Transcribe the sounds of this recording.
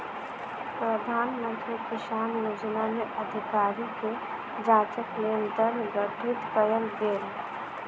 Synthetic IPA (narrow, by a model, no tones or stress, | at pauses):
pɾəd̪ʱaːnmə̃nt̪ɾikiʃaːmjoːd͡ʒnamẽʔəd̪ʱɪkaːɾike | d͡ʒaːt͡ʃəkleːnd̪əɾnɡəʈʰɪt̪kəjəlɡeːɾ